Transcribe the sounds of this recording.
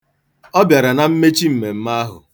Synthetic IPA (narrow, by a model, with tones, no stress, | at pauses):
ɔ˦bja˨ɾa˨na˨m̩˦me˦t͡ʃi˦m̩˨me˨m̩˦ma˦ɦʊ̰˨